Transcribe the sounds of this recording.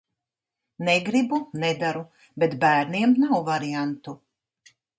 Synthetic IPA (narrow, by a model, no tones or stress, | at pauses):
nɛɡɾibunɛd̪aɾu | bet̪bæːɾniɛmnawvaɾiant̪u